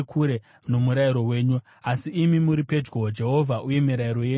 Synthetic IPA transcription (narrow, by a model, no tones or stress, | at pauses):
kʰuɾe | no̞muɾajiɾo̞we̞ːɲu | asiːmimuɾipe̞d͡ʒɡod͡ʒe̞ɦo̞vʱaʔuje̞miɾaiɾo̞je